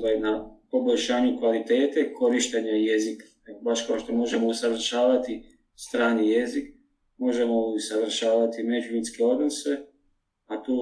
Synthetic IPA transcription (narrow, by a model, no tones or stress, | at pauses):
anapo̞bo̞ʎʲʃaːɲukʋalit̪eːt̪ekʰo̞ɾiʃt̪eɲajezikḁ | baʃkaʃt̪omo̞ʒe̞mousaʋr̩ʃaːʋat̪i | st̪ɾaːnijezik̚ | mo̞ʒe̞mo̞uusaʋr̩ʃaːʋat̪ime̞d͡ʒuminskeo̞d̪no̞se̞ | at̪uː